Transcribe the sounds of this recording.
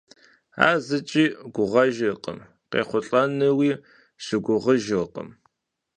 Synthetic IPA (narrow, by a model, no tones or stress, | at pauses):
a̰ːzɨt͡ʃʼiːɡʷʊʁɐʒɐqə̰m | qḛːχʷʊɬʼɐnɨwiː | ɕɪɡʷʊʁəʒɨqə̰m